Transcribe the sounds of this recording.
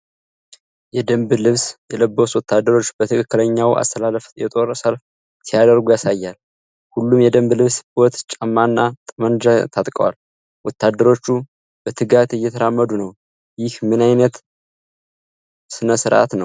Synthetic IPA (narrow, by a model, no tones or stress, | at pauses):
jɛd̪əmblɨβsjɛləbːoswɔt̪ʰːad̪ːəɾo̞t͡ʃːb̥ət̪ʰɨkʰɨkːɨləɲːawʔa̰st̪ʰəlaləfjɛt̪ʼo̞ɾsəlf | sijad̪əɾɡujasajːal | hulːumjɛd̪əmblɨβsbo̞t̪t͡ʃʼəmːanːat̪ʼəmənd͡ʒat̪ʰat̪ʼkʼəwa̰l | wʔɔt̪ːad̪ːəɾo̞t͡ʃːu | b̥ət̪ʰɨɡat̪ɨjːɛt̪ʰəɾamːəd̪unəw | jɪhmɨnajnət̪ | sɨnəsɨɾʔa̰t̪nəw